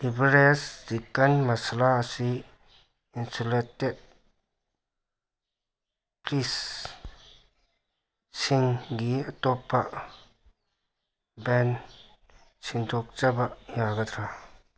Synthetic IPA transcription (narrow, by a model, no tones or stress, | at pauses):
ibɾesdikːənmɐsəlaəsi | insoleted̚ | plis | siŋɡiət̪ɔpːaʔ | bɛn | sʰiŋt̪ʰok̚t͡ʃabajaɡət̪ʰɾa